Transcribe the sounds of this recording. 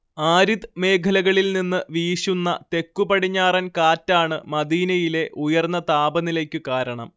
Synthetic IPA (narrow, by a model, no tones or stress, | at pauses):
aːɾiðme̞ːkʰɐlɐɣɐɭilninːɨʋiːɕunːɐt̪e̞kːupɐɽiɲːaːrɐnkaːtːaːɳɨmɐd̪iːnɐjile̞ʔujɐrnːɐt̪aːbɐnilekʲːɨkaːɾɐɳɐm